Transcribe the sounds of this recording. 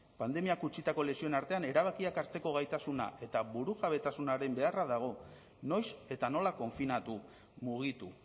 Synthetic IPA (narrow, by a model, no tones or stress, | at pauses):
pand̪e̞miakut͡ʃit̪ako̞le̞sio̞naɾt̪e̞ane̞ɾaβ̞akiakaɾt͡s̪e̞ko̞ɣ̞ajt̪asuna̰ʔe̞t̪aβuɾuʝaβe̞t̪asunaɾe̞mbe̞araðaɣ̞o̞ | no̞jse̞t̪ano̞lako̞ɱfinat̪u | muɣ̞it̪u